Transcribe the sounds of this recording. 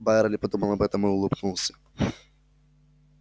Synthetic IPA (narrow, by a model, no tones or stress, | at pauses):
bajɛɾɐlʲipɐd̪umɐlˠɐbɛt̪ɐmɨulˠɨbnulˠsʲɐ̥